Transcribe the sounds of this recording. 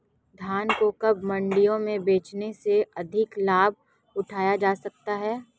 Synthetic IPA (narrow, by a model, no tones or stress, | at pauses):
d̪ʱjaːnkokɐbmɐ̃ɳɖijõmẽbeːt͡ʃneseɐd̪ʱɪklaːb̚ʱ | ʊʈʰaːjad͡ʒaːsɐk̚t̪aɦɛː